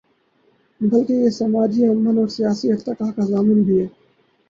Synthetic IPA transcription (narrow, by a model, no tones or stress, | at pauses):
bɐlkejesɐmaːd͡ʒiɐmːənɔːɾsijaːsiɐft̪əkaːɦkazaːmɪnbʱiɦɛː